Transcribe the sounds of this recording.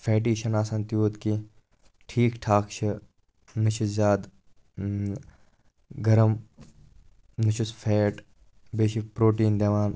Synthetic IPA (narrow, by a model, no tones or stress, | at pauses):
fʰeːʈ̬iːʃɐnaːsɐnt̪juːt̪ki | ʈʰiːkʈʰaːkt͡ʃʰɐ | nɪt͡ʃʰuzaːd̪ | ɡɐɾɐm | nɪʃʰusfʰeːʈ | beːʃipɾoːʈiːnd̪eːʋaːn